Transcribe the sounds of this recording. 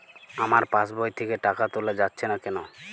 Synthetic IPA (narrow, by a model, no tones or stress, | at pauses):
amaɾpasbɔjt̪ʰekeʈakat̪oled͡ʑatːɕʰenakɛno